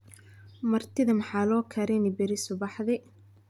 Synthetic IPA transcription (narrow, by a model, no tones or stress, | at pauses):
mɐrt̪ʰɪðɐmɐħaːlɔːkʰɐɾɛnɪbɪɾɪsʊbɑħðɪ